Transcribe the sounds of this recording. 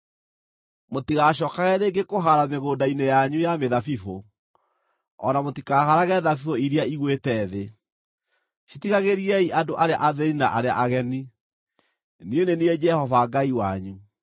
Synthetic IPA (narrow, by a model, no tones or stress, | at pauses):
motiɣaɕɔːkaɣɛɾeɡekoɦaɾameɣoːdainejaɲujameðafifo | ɔ̰namotikaːhaɾaɣɛðafifoiɾiaiɣwetɛðe | ʃitiɣaɣeɾiɛiʔadoʔaɾea̰ʔaðɛɾinaʔaɾea̰ʔaɣɛni | nienenied͡ʒɛhɔvaɡaiwaɲu